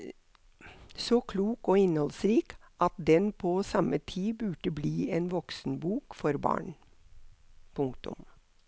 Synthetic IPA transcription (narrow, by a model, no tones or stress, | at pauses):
sɔkʰluːkoːɪnhɔlsɾiːk | ʔɑt̪̚d̪ɛnpʰoːsɑmət̪ʰiːbʉːʈəbliːeːnʋɔksn̩buːkfɔɾbɑ̰ːɳ | pʰʊŋkt̪ʊ̰m